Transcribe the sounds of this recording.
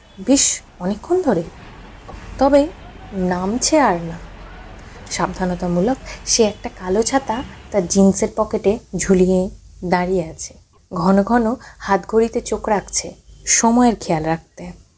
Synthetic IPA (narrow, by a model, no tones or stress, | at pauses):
biʃ | ɔnekʰːond̪ʱɔɾe | t̪ɔbe | namt͡ɕʰeaɾna | ʃab̚d̪ʱanot̪amulokʃeɛk̚ʈakalot͡ɕʰat̪at̪aɾd͡ʑinseɾpɔkeʈed͡ʑʱulied̪aɾijeat͡ɕʰe̥ | ɡʱɔnoɡʱɔnohat̪ɡʱoɾit̪et͡ɕokɾak̚ʰt͡ɕʰeʃɔmɔeɾkʰealɾak̚t̪e